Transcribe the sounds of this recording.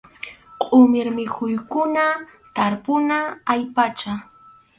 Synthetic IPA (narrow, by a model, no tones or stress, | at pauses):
qʼʊmɪɾmɪkʊjkʊnat̪aɾpʊnaːjpat͡ʃa